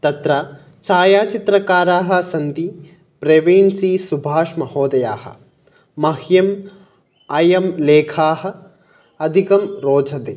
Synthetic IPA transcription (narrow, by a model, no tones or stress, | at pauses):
t̪ɐt̪ɾa | t͡ʃaːjaːt͡ʃit̪ɾɐkaːɾaːɦɐ̆sɐnt̪i | pɾeʋeːnsiːsubʱaːʂmɐhoːd̪ɐjaːhɐ̰̆ | mɐɦjɐm | ɐjɐmleːkʰaːɦɐ̆ | ɐd̪ʱikɐmɾoːd͡ʒʱɐd̪eː